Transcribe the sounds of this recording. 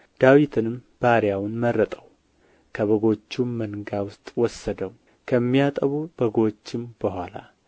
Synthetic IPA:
d̪̥awit̪ʰɨnɨmb̥aɾjawnmərːət̪ʼəw | kʰəβəɡo̞t͡ʃːumənɡawʊst̪ʼwɔsːəd̪əw | kʰəmːijat̪ʼəβubəɡo̞t͡ʃːɪmb̥əhʷala̰

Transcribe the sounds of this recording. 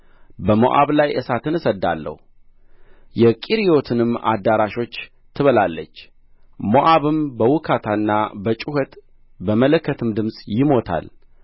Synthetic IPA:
bəmo̰ʔa̰βlajʔəsat̪ʰɨnɨsəd̪ːa̰lːə̰hu | jɛkʼiɾijo̞t̪ʰɨnɨma̰d̪aɾaʃo̞t͡ʃː | t̪ʰɨβəlalːət͡ʃː | moʔaβɨmbəwʊkʰat̪ʰanːabət͡ʃʼuhət̪ | bəmələkʰːət̪ʰɨmd̪ɨmsʼjɪmo̞t̪ʰa̰l

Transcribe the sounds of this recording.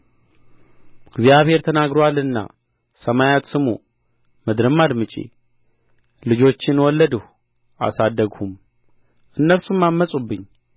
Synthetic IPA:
ɡzjaβhe̞ɾt̪ʰənaɡɾoalɨnːa̰ | səmajat̪sɨmṵ | mɨd̪ɾɨmːad̪mɨt͡ʃʼḛ | lɨd͡ʒo̞t͡ʃːɪnwɔlːəd̪əh | ʔa̰sad̪ːəɡhum | ʔɨnːəlsumːamːəsʼubːɨɲː

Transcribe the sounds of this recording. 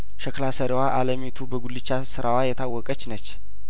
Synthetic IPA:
ʃəklasəɾewaʔaləmet̪ʰubəɡulːɨt͡ʃːasɨɾawajɛt̪ʰawːɔkʼət͡ʃːnət͡ʃː

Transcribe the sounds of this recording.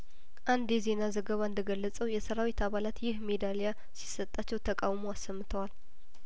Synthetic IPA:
ʔand̪eze̞nazəɡəβaɨnd̪əɡəlːət͡sʼəwjɛsəɾawit̪ʰaβalat̪jɪhme̞d̪alja | si̥sət̪ʼːat͡ʃːɛwt̪ʰəkʼawmoasːəmːɨt̪ʰəwal

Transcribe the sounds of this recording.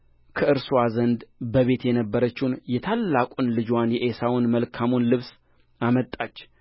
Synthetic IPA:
kʰəʔɨɾsuwazənd̪bəβe̞t̪jɛnəbːəɾət͡ʃːɪwnjɛt̪ʰalːakʼunlɨd͡ʒwanjɛʔesawʊnməlkʰamunlɨβs | amət̪ʼːat͡ʃː

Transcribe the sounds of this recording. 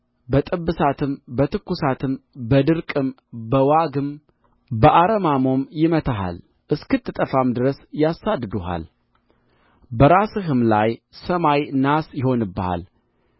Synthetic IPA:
bət̪ʼɨbːɨsat̪ʰɨmbət̪ʰɨkːusat̪ʰɨmbəd̪ɨɾkʼɨm | bəwaɡɨm | bəʔaɾəmamo̞mjɪmət̪ʰaɦa̰l | ʔɨskɨt̪ʰːɨt̪ʼəfamd̪ɨɾəsjasːad̪ːɨd̪uɦa̰l | bəɾasɨɦɨmlajsəmajnasjɪho̞nɨbːəha̰l

